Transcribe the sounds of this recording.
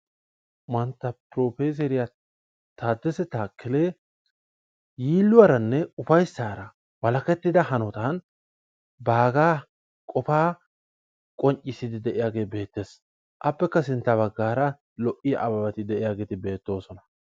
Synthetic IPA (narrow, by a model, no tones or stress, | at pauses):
mɐnt̪ːɐpɾoːfeːs̬ɛɾɪja | t̪aːd̪ːɛsɛt̪aːkːɪleː | jiːlːʊɐɾɐnːɛʊfɐjsːaːɾɐ | wɐlɐkɛt̪ːɪd̪ɐhɐnɔt̪an | baːɡaː | kʼɔfaː | kʼɔɲt͡ʃʼɪsɪd̪ɪd̪ɛʔɪjaːɡe̞ːbe̞ːt̪ːeːs | ʔɐpːɛkːɐsɪnt̪ːɐβɐɡːaːɾɐ | lɔʔɪjʔɐbɐbɐt̪ɪd̪ɛʔɪjaːɡeːt̪ɪbe̞ːt̪ːo̞ːsɔnɐ